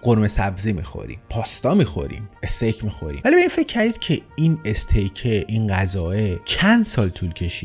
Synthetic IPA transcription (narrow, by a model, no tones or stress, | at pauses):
ɡ̥oɾme̞sæbzimḭːxo̰ɾḭːmpʰɒːst̪ɒːmiːxo̞̰ɾḭːme̞st̪ʰejcʰmiːxo̞̰ɾḭːmvælibeiːnfe̞cʰːæɾd̪iːd̪̥̚cʰeinest̪ʰejcʰe̞ʔinɢæzɒːet͡ʃʰænd̪sɒːlt̪ʰuːlcʰe̞ʃiːd̪̥